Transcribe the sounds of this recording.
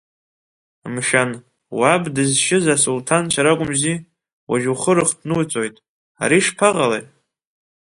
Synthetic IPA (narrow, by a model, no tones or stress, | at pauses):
mʃan | wabdɨzʃɪzasultʰant͡ʃʰaɾakʷʼʊmzi | waʒuχəɾɨχdʰnɨwt͡sʼo̞jtʼ | a̰ɾiʂpʰaʁalḛjtʼ